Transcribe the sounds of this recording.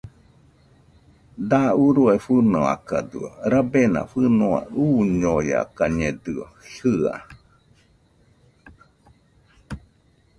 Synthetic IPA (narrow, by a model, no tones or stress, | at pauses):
d̪auɾuefɨnoa̰kad̪ɨ̰oɾabena̰fɨnoa̰uɲoja̰kaɲed̪ɯoɬɨa̰